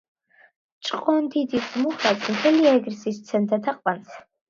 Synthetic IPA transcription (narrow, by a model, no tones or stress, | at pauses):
t͡ʃʼqʼɔnd̪id̪izmuχɾat̪sʰʼmt̪ʰɛliɛɡɾsist̪sʰɛnd̪ʰat̪ʰaqʼpans